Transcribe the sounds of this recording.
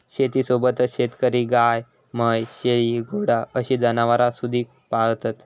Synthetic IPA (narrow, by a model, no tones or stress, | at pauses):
ɕet̪iːsobət̪əɕet̪kəɾiːɡaj | məjɕeɭiɡʱoɽaəɕiːd͡zanaʋaɾasud̪ʱiː | paɭt̪at̪